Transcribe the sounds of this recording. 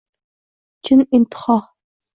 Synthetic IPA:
t͡ʃʰɪnʔintʰχɑʁ

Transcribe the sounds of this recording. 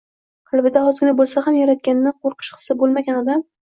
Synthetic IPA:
qʰɨlˠbɪd̪ahɒzɪɾʲɡʲɪnabolˠsahamjaɾat̪̚kʲanɪːɪqʰoɾqʰɨʃqʰɨ̥sɪbolˠmaɡʲanɒd̪am

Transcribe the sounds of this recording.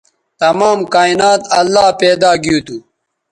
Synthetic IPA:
t̪ɐmaːmkaːinaːt̪ɐlːaːpeːd̪aːɡijuːt̪u

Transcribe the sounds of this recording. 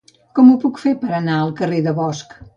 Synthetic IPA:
kɔmupukfepəɾənaəlˠkəreðəβɔsk

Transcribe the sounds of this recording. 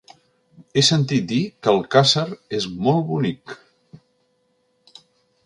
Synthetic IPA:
esənt̪it̪̚d̪ikəlˠkasəɾezmolˠβunik

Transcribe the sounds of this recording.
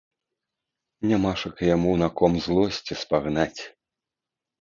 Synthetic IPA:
nʲamaʂɐkɐjamunakɔmzlˠɔsʲt͡sʲispaɣnat͡sʲ

